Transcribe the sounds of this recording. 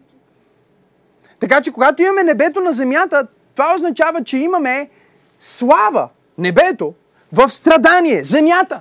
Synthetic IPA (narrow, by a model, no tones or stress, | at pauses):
t̪ɐkat͡ʃɛkoɡat̪oimɐmɛnɛbɛt̪onɐzɛmjat̪ə | t̪ovaoznɐt͡ʃavət͡ʃɛimɐmɛ | slˠavə̰ | nɛbɛt̪o | vɐfst̪ɾɐd̪aniɛzɛmjat̪ə